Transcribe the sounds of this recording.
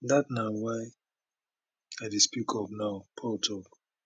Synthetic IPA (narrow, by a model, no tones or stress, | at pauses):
datnawaɪ | adespikʰɔpnaʊpʰɔltʰɔk